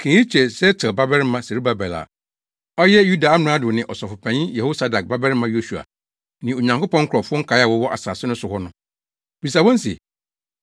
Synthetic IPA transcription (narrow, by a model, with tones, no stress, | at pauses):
kʰe˨˦i˦t͡ɕʰɛ˨sɛ˦tʰɛ˨ba˦bɛ˦ɾmã˦˨se˨ɾi˦ba˨bɛ˨la̰˨ | ɔ˦jɛ˦ju˦da˨a˦mɪ̃˨ɾã˦dʊ˨nɪ̃˨ʔɔ˨sɔ˨fʊ˨pʰæ̃˨ɲĩ˦jɛ˨ho˦sa˨da˨k̚ba˦bɛ˦ɾmã˦jo˦su˨a̰˨ | nɪ̃˨o˨ɲã˨ŋko˦pɔ̃˦ŋ̩ʰ˦ʊ˨ɾɔ˨fʊ˦ɔ˦ŋ̩˦kʰa˨˦a˦˨wɔ˦wɔ˦ʔa̰˨saː˨sɪ˦nʊ̃˦sʊ˨hɔ˦nʊ̃˨ | b̥i˨s̬a˨wɔ̃˦n˦sɛ̰˨